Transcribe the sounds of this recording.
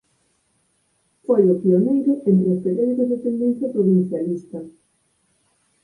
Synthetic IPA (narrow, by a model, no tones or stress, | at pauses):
fojʊpionejɾʊʔent̪ɾeʊsfeðejðzðefend̪ẽn̟θjɐpɾoβin̟θjalist̪ɐ